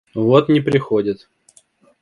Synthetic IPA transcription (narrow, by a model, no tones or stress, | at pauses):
vot̪nʲɪpɾʲɪxodʲɪt̪